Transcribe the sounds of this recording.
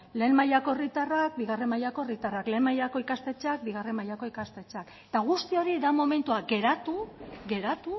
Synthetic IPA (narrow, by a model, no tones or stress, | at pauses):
le̞ːmmajako̞erit̪arak̚biɣ̞are̞majako̞rit̪arakle̞ːnmajako̞ikast̪e̞t͡ʃak̚biɣ̞are̞majako̞ikast̪e̞t͡ʃak | t̪aɣ̞ust̪io̞ɾiðamo̞me̞nt̪uaɡe̞ɾat̪uɣe̞ɾat̪u